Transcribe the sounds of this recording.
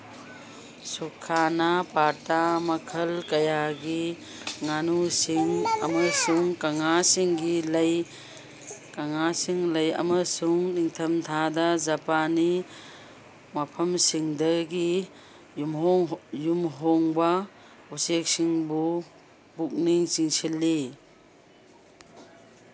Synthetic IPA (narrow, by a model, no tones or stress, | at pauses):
sukʰanapatamɐkʰɐlkɐjaɡi | ŋanusiŋɐmɐsuŋkɐŋasiŋɡilɐj | kaŋasiŋlɐjɐ̰mɐsuŋniŋtʰɐmtʰadad͡ʒapani | mapʰɐmsiŋdɐɡi | jumɦoŋjumɦoŋba | usek̚siŋbu | buk̚niŋt͡ʃiŋsilːi